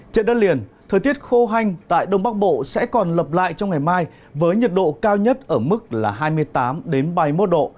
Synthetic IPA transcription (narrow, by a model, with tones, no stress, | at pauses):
t͡ɕḛ˧˨nɗəː˧nli˨˩ənt̪ʰəː˨˩jt̪i˦˥ət̚xo˧ɦa˧jŋ̟t̪a̰ː˧˨jɗə˧wŋ͡mɓaː˦˥k̚ɓo̰˧˨sɛ̰˧˥kɔ˨˩nlə˨˩p̚la̰ː˧˨jt͡ɕɔ˧wŋ͡mŋa˨˩jmaː˧j | vəː˨˦jɲə˨˩t̚ɗo̰˧˨kaː˧wɲə˦˥t̚ʔəː˧˩mɨ˦˥k̚laː˨˩ɦaː˧jmɨ˧əjt̪aː˨˦mɗe˨˦nɓa˨˧˩jmo˦˥t̚ɗo̰˧˨